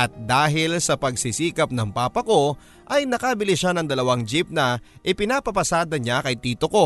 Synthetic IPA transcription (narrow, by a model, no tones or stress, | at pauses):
ʔɐt̪̚d̪aːɦɪlsɐpɐɡ̚sisiːkɐp̚nɐŋpaːpɐko̞ | ʔɐjnɐkabɪlɪʃanɐŋd̪ɐlɐwaŋd͡ʒip̚nɐʔɪpɪnapɐpɐsaːd̪ɐɲakɐjt̪iːt̪o̞ko̞